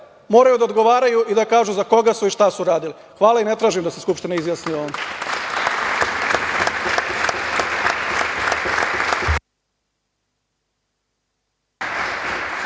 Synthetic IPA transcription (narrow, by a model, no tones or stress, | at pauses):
mo̞ːɾajud̪aod̪ɡo̞ʋaːɾajuʔid̪akaːʒuzako̞ɡasuiʃt̪asuɾaːd̪ili | xʋaːlˠaine̞t̪ɾaːʒimd̪aseskupʃt̪ineizjaːsnioːn